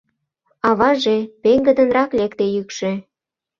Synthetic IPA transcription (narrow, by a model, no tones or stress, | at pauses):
ɑβɑʒepeŋɡə̆d̪ə̆nɾɑklekt̪ejykʃĕ